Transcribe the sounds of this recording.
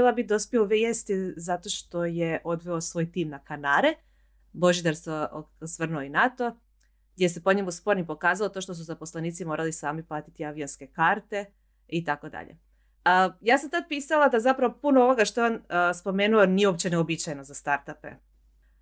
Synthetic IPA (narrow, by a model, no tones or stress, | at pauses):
lˠabit̪̚d̪o̞spjeuʋejest̪izat̪o̞ʃt̪o̞jeʔo̞d̪ʋeosʋoːjt̪iːmnakanaːɾe | bo̞ʒid̪aɾsosʋr̩nuoinat̪o̞ | ɡd̪ʲjese̞poɲemuspo̞ɾnipo̞kaːzalˠot̪o̞ːʃt̪os̬uzapo̞slˠeniːt̪simo̞ːɾalisaːmiplˠaːt̪it̪iaʋionske̞kaɾt̪e̞ | it̪ako̞d̪a̰ʎḛ | əjaːsamt̪ad̪̚piːsalˠad̪azapɾaʋopunooʋo̞ɡaʃt̪oeonspo̞meːnuonijeopt͡ɕeneobit͡ɕajenozast̪aɾt̪apḛ